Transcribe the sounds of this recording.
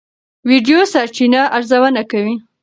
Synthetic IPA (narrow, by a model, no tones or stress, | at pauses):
wiɖjosaɾt͡ʃinaʔaɾzawənakawi